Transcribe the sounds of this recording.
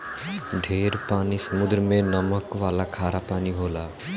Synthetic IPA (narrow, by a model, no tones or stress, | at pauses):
ɖʱeɾpanisəmud̪ɾmenʌməkʋalakʰaɾapaniɦola